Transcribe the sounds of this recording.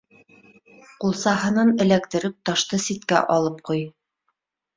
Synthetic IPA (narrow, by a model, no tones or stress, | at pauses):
qulˠsɑɦɤ̆nɤnɘ̆lækt̪ɘ̆ɾɘp̚t̪ɑʃt̪ɤsit̪kæ̰ʔɒlˠɤp̚quj